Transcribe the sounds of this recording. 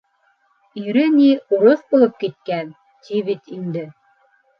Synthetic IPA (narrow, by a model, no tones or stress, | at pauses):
iɾɘniuɾoθbulˠɤp̚kit̪̚kæn | t̪iβit̪ind̪ɘ